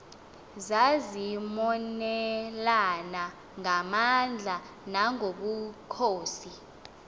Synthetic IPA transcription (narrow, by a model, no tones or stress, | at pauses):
zazimɔnɛlana | ŋamand͡ɮʱa | naŋoɓukʰoːsi